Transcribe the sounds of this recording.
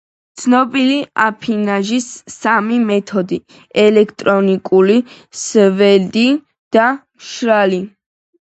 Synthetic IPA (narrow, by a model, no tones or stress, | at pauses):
t̪sʰnɔbiliapʰinaʒisːamimɛt̪ʰɔd̪i | ɛlɛkʰt̪ʼɾɔnikʼuli | svɛld̪i | d̪̥a | ʃɾali